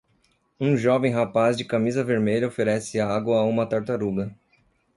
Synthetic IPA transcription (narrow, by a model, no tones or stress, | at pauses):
ũʒɔvẽj̃ɦapazd͡ʒɪkamizɐveɾmeʎɐofeɾɛsɪaɡwɐaũmɐt̪aɾt̪aɾuɡɐ